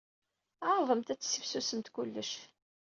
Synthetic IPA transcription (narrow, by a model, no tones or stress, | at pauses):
ðˤəmt̪æt͡sːsifsusəmt̪kʊlːəʃ